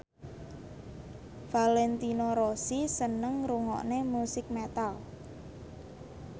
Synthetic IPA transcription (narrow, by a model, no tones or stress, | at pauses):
valɛnt̪inoɾosisənəŋɾuŋɔ̰ʔnemusɪk̚met̪al